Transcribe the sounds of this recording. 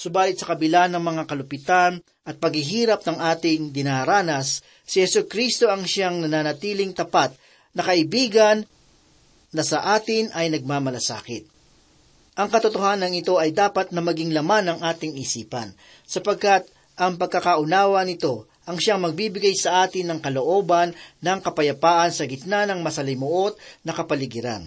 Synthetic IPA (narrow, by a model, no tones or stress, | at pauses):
sʊbaːlɪt̪sɐkɐbɪlanɐŋmɐŋakɐlʊpɪt̪an | ʔɐt̪̚pɐɡhɪɦiːɾɐp̚nɐŋʔaːt̪ɪŋd̪ɪnaɾaːnɐsː | ɪhɛsukɾist̪o̞ɐŋʃaŋnɐnaːnɐt̪iːlɪŋt̪ɐpat̪̚ | nɐkɐɪbiːɡɐnː | ɐsɐʔaːt̪ɪnʔɐjnɐɡ̚maːmɐlɐsa̰ːkɪt̪̚ | ʔɐŋkɐt̪ot̪o̞haːnɐŋɪt̪o̞ɐjd̪aːpɐt̪̚nɐmɐɡɪŋlɐmanɐŋʔaːt̪ɪŋɪsiːpɐ̰n | sɐpɐɡ̚kat̪̚ | ʔɐŋpɐɡ̚kːɐkaʔʊnaːwɐnɪt̪o̞ | ʔɐŋʃaŋmɐɡ̚bibɪɡajsɐʔaːt̪ɪnːɐŋkɐlo̞ʔo̞ːbɐnːɐŋkɐpɐjɐpaːʔɐnsɐɡɪt̪̚nanɐŋmɐsɐlɪmʊʔo̞t̪̚nɐkɐpɐlɪɡɪɾa̰n